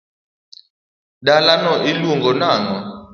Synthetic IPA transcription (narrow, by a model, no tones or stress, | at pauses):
ɗalanɔʔiluŋɡɔnaːnɔ